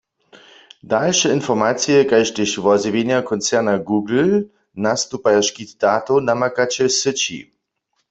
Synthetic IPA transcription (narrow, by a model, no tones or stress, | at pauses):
dalʃɛɪnfɔʁmaːt͡sijɛkajʃtɪʃvɔzivenjakʰɔnt͡sɛʁnaɡuːɡl̩ | nast̪upajaʃkitd̥aːtonamakat͡ɕɛsət͡ɕḭ